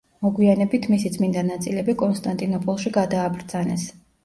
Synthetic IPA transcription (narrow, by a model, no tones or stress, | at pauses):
mɔɡwianɛbit̪ʰmisid̪sʼmind̪anat̪sʼilɛbikʼɔnst̪ʼant̪ʼinɔpʼɔlˠʃiɡad̪aːbɾd̪z̥anɛs